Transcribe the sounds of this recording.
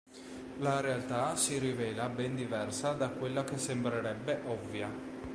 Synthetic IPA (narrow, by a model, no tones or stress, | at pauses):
laɾealt̪asiɾivɛːlabɛnd̪ivɛrsad̪akwelːak̟esːembɾeɾɛbːeʔɔvːja